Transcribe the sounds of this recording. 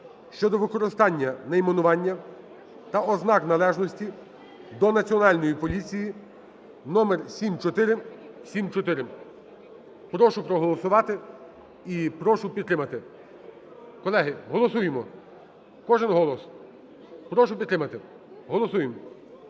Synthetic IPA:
ʃt͡ʃɔd̪ɔʋɪkɔɾɪst̪ɑnʲːɐnɐimenʊʋɑnʲːɐ | t̪ɐʔɔznɑknɐlˠɛʒnɔsʲtʲi | d̪ɔnɐt͡sʲiɔnɑlʲnɔjipɔlʲit͡sʲiji | nɔmɛrsʲimt͡ʃɔt̪ɪɾɪsʲimt͡ʃɔt̪ɪɾɪ | pɾɔʃʊpɾɔɦɔlˠɔsʊʋɑt̪ɪ | ipɾɔʃʊpʲid̪t̪ːɾɪmɐt̪ɪ | kɔlˠɛɦɪɦɔlˠɔsujemɔ | kɔʒɛnɦɔlˠɔs | pɾɔʃʊpʲid̪t̪ːɾɪmɐt̪ɪ | ɦɔlˠɔsujem

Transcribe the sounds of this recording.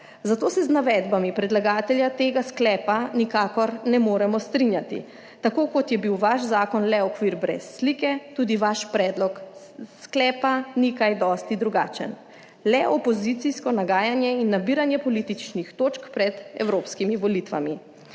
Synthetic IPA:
zat̪oːsɛznaʋɛːd̪bamipɾɛd̪laɡaːt̪ɛljat̪eːɡasklɛːpanikaːkɔɾnɛmoːɾɛmɔst̪ɾinjat̪ḭ | t̪akoːkɔt̪jɛbiwʋaʃzaːkɔnlɛɔkʋiːɾbɾɛ̰sːlikɛt̪uːd̪iʋaʃpɾɛd̪lɔk | sklɛːpanikajd̪ɔst̪id̪ɾuɡa̰ːt͡ʃə̰n | lɛʔɔpɔzit̪siskɔnaɡaːjanjɛinːabiːɾanjɛpɔlit̪it͡ʃnixt̪oːt͡ʃkpɾɛd̪ɛ̰wɾoːpskimiʋɔlit̪ʋa̰mi

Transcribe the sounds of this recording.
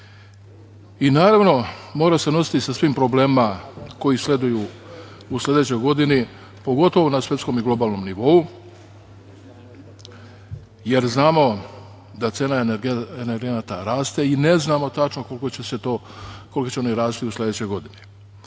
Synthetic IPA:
inaːɾaʋno̞mo̞ːɾase̞no̞si̥t̪isasʋiːmpɾo̞ble̞ːmako̞jisle̞d̪uju | uslʲe̞d̪et͡ɕo̞jɡo̞d̪ini | po̞ɡo̞t̪o̞ʋonasʋje̞t̪sko̞miɡlˠo̞baːlˠno̞mniʋo̞u | je̞ɾznaːmo̞ | d̪at̪se̞ːnaeeneɾɡe̞nat̪aɾaːst̪e̞ine̞znaːmo̞t̪at͡ʃnoko̞lkot͡ɕeset̪oko̞likot͡ɕeoniɾaːsit̪iusled̪et͡ɕo̞jɡo̞d̪ini

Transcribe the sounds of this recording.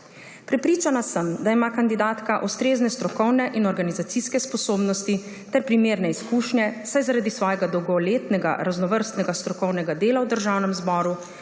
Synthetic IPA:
pɾɛpɾiːt͡ʃanasəmd̪aimakand̪id̪aːt̪kaʔust̪ɾeːznɛst̪ɾɔkɔwnɛʔinɔɾɡanizat̪siskɛspɔsoːbnɔst̪i | t̪ɛɾpɾimeːɾnɛiskuːʃnjɛsajzaɾaːd̪isʋɔːjɛɡad̪ɔwɡɔleːt̪nɛɡa̰ɾaznɔʋəɾst̪nɛɡast̪ɾɔkɔwnɛɡad̪eːlawd̪əɾʒaːwnɛmzbɔːɾu

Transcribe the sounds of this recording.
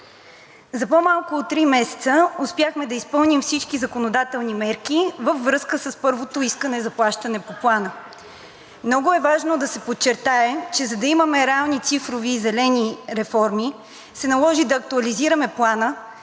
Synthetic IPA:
zɐpomalˠkoːt̪ːɾimɛsɛ̥t̪səʊspjaxmɛd̪ɐispɤlˠnimfsit͡ʃkizɐkonod̪at̪ɛlˠnimɛɾk̟ivəvːɾɤskəsəspɤɾvot̪oiskənɛzɐplˠaʃt̪ənɛpoplˠanə | mnɔɡʊɛvaʒnod̪ɐsɛpott͡ʃːɛɾt̪aɛt͡ʃɛzɐd̪ɐiməmɛɾɛalˠnit̪sifɾoviːzɛlɛniɾɛfɔɾmi | sɛnɐlˠɔʒid̪ɐːk̚t̪uɐliziɾəmɛplˠanə

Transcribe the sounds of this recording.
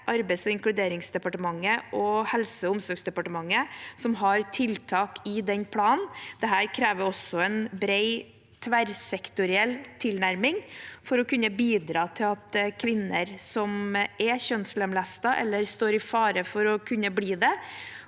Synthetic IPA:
ʔɑɾbɛɪsɔɪŋklʉd̪eːɾɪŋsd̪ɛpɑʈəmɑŋːəʔɔhɛlsəʊmsɔɾɡsd̪ɛpɑʈəmɑŋːəsɔmɦɑɾt̪ʰɪlt̪ʰɑːkʰɪd̪ɛnpʰlɑːnnd̪̥ɛɦæːɾkʰɾeːʋəɾɔsːɔɛnbɾeɪ | t̪ʰʋæɾsɛkt̪ʊɾɪɛlt̪ʰɪlnæɾmɪŋfɔɾɔkʉnːəbiːd̪ɾɑːt̪ʰɪlɑt̪kʰʋɪnːəɾsɔmɛɕœnsləmlæst̪ɑʔɛ̰lːəɾst̪oːɾɪfɑːɾəfɔɾɔkʰʉnːəbliːd̪ɛ

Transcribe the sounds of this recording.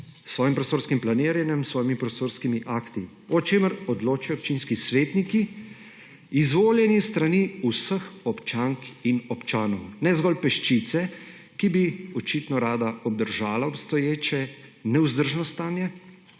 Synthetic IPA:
sʋɔːjimpɾɔst̪oːɾskimplaneːɾjɛnjɛmsʋɔːjimipɾost̪oːɾskimiʔaːkt̪i | ɔt͡ʃeːməɾɔd̪loːt͡ʃijɔp̚t͡ʃinskisʋeːt̪niki | izʋoːljɛnjist̪ɾaniusəxɔpt͡ʃaŋkinɔpt͡ʃaːnɔwnɛzɡɔlpɛʃt͡ʃit̪sɛ | kibiɔt͡ʃit̪nɔɾaːd̪aɔb̚d̪əɾʒaːlaɔpst̪ɔjeːt͡ʃɛnɛwzd̪əɾʒnɔst̪aːnjɛ

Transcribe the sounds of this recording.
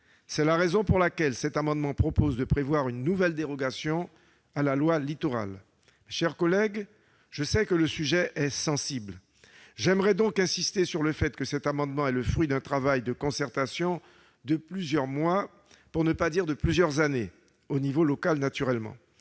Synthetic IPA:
sɛlaʁezɔ̃puʁlakʲɛlsɛt̪amɑ̃d̪mɑ̃pχɔpozd̪əpχevwaʁynːuvɛld̪eʁɔɡasjɔ̃ | alalwalit̪oʁa̰l | mɛʃɛʁkɔlɛɡ | ʒ̥əsɛkələsyʒɛʔɛsɑ̃sibl | ʒɛmʁɛd̪ɔ̃kɛ̃sist̪esyʁləfɛt̪kəsɛt̪amɑ̃d̪mɑ̃ɛləfχɥid̪ɛ̃t̪χavajd̪əkɔ̃sɛʁt̪asjɔ̃ | d̪əplyzjœʁmwa | puʁnəpad̪iʁd̪əplyzjœʁzane | onivolɔkalnat̪yʁɛlmɑ̰̃

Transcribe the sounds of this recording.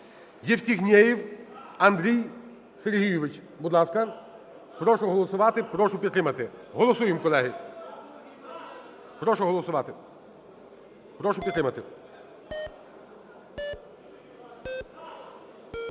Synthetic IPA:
jɛwt̪ʲiɦnʲɛjiwɐnd̪ɾʲij | seɾɦʲijʊʋɪt͡ʃ | bud̪lˠɑskɐ | pɾɔʃʊɦɔlˠɔsʊʋɑt̪ɪpɾɔʃʊpʲid̪t̪ɾɪmɐt̪ɪɦɔlˠɔsujɪmkɔlˠɛɦɪ | pɾɔʃɔɦɔlˠɔsʊʋɑt̪ɪ | pɾɔʃʊpʲit̪t̪ɾɪmɐt̪ɪ

